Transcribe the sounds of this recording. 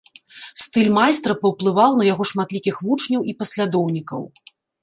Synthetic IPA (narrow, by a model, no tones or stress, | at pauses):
st̪ɨlʲmajst̪ɾɐpɐwplˠɨvawnɐjaɣɔʂmat̪lʲikʲixvut͡ʂnʲɐwʔipɐsʲlʲad̪ɔwnʲikɐ̰w